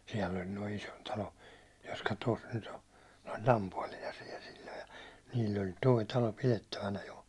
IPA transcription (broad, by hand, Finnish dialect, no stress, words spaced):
siɛlː ol noi isontɑlo jotkɑ tos nyt o ne olʲ lɑmpuɒlinɑ siel silʲːo jɑ niːlː olʲ toi tɑlo piletːæʋænæ jo